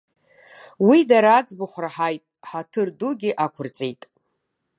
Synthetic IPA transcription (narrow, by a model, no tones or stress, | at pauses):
widaɾaːd͡zʼboχʷraħajtʼħatʰɨrduɡʲɪʔakʷʰʊrt͡sʼejtʼ